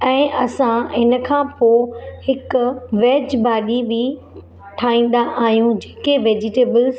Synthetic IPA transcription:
ɛ̃ːʔɐsãɪnə̆kʰãːpoːhɪkʊʋeːd͡ʑbaːɗibi | ʈʰaːĩːn̆d̪aʔaːɦijũd͡ʑeːkeʋeːd͡ʑɪʈeːbəl

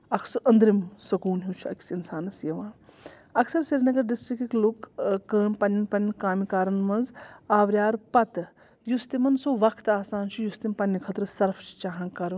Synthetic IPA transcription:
ɐkʰsɨʔɐnd̪ɾimsɐkuːnɦut͡ʃʰuɐ̰ksinsaːnɐsjɐʋãː | ɐksɐɾsiɾinɐɡɐɾɖisʈɾikiklukːəːpɐnːɐnpɐnʲkaːmikaːɾɐnʋɐ̃nzaːʋɾʲjaːɾpɐt̪ | just̪imɐnsuʋɐkʰt̪aːsaːnt͡ʃʰujust̪impɐnːikʰɐt̪ɾɨsɐɾft͡ʃʰt͡ʃaːɦãːkɐɾ

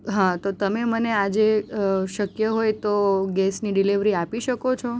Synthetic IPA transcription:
ɦãt̪ot̪əmemənead͡ʒeʃəkjəɦojt̪oɡɛsniɖiliʋɾiapiʃəkot͡ʃʰo

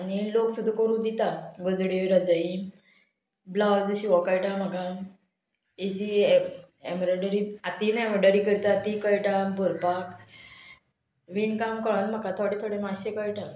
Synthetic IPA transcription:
aniloksud̪ʱːakəɾuːd̪it̪aɡod͡zɽeʋiɾəd͡zai | blad͡zɕiʋɔkəjʈamaka | id͡ʑi | emɾɔɖəɾiat̪inemɾɖəɾikəɾit̪at̪ikəjʈabʱuɾpak | ʋiɳkamkəɭənm̤akat̪ʰoɽet̪ʰoɽemaɕekəjʈa

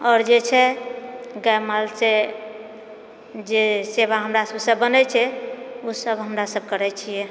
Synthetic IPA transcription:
ɔːɾd͡ʒet͡ʃʰɛ | ɡajmalse | d͡ʒeseβaɦəmɾasəbsəbːənɛt͡ʃʰɛusəbɦəmɾasəb̚kəɾɛt͡ʃʰijɛ

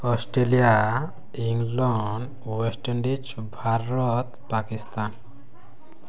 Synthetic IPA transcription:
ɔsʈɾelija | iŋlɔɳɖ | wesʈeɳɖit͡ʃ | bʱaɾɔt̪pakist̪an

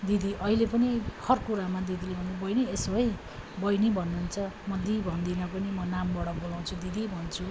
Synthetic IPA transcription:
d̪id̪iʔʌɦilepʌnihʌrkuɾamad̪id̪ilebʱʌnibʌjniesoɦʌj | bʌjnibʱʌnːunt͡sʰʌmʌd̪ibʱʌnd̪inʌpʌnimʌnambʌɽʌbolaw̃t͡sʰud̪id̪ibʱʌnt͡sʰu

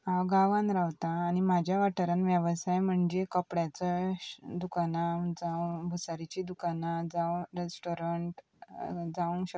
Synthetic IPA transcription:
awɡaʋãnɾaʋt̪aːnim̤ad͡ʑʱjaʋaʈʰəɾənʋjəʋsajm̤əɳd͡ʑekəpɽjat͡səd̪ukanad͡zabʱusaɾit͡ɕid̪ukanad͡zaɾesʈoɾəɳʈ | d͡zauŋkɕə

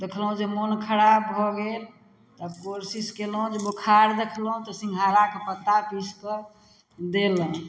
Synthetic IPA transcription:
d̪ekʰlɦũd͡ʒemonkʰəɾabbʱɔɡel | t̪ɔəbkoɾsiskelɦũd͡ʒebokʰaɾd̪ekʰlɦũt̪ɔsĩŋɡʱalakepət̪ːapispə | d̪eləɦ

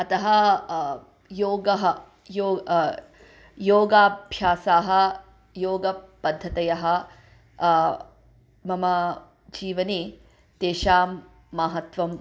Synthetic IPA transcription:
ɐt̪ɐɦɐ | joːɡɐɦɐ | joː | joːɡaːbʱjaːsaːɦɐ̆ | joːɡɐpɐd̪ʱːɐt̪ɐjɐɦɐ | mɐmɐ | d͡ʒiːʋɐni | t̪eːʃaːmː | aːɦɐt̪ʋɐm

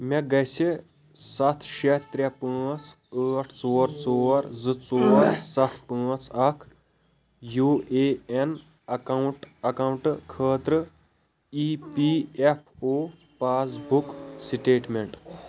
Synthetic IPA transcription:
meɡɐse | sɐt̪ʰʃet̪ɾʲjapəːt͡sʰ | əːʈʰt͡soːɾt͡soːɾzɨt͡soːɾsɐt̪ʰpə̃t͡sʰɐkʰ | juːʔeen | ɐkɐwɳʈɐkɐwɳʈkʰəːt̪ɾɨ | ipiepʰoː | paːsbuksiʈeːʈmeɳʈ

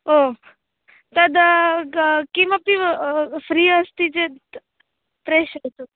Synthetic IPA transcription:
o | t̪ɐd̪ | kiməpifɾiːəst̪id͡ʒe | pɾeʃət̪u

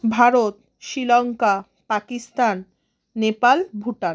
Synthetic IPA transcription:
bʱaɾot̪ | ʃilɔŋka | pakist̪anː | epalbʱuʈan

